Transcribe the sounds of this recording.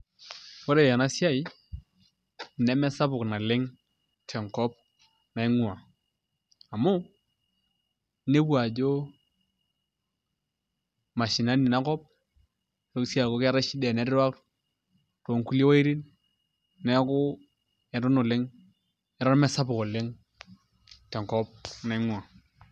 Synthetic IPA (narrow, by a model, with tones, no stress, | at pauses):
wɔ˦ɾe˨ja˨na˦si˦a˦i˦˨ | nɛ˦mɛ˦sa˦pʊ˨kna˨lɪ˦ŋ | tʰɛ˨ŋkɔ˦p̚ | na˨ɪ˦ŋʊ˦a˨ | a˨mʊ˦ | ne˦bwa˨d͡ʒo˦ | ma˨ʃi˨na˦ni˨na˦kɔ˦p̚ | ɾo˦ksi˦a˨ko˦kɛ˦ɾɛ˦ʃi˦dɛ˨nɛ˨˦ɾɪ˦ɾwa˦k | to˨ŋku˦le˦wa˦i˦ɾi˦n | nɛ˦kʊ˦ | ɛ˨ɾʊ˦nʊ˨lɪ˦ŋ | ɛ˦ɾɔ˦ɾmɛ˦sa˦pʊ˨kɔ˨lɪ˦ŋ | tɛ˨ŋkɔ˦p̚na˨˦ŋwa˨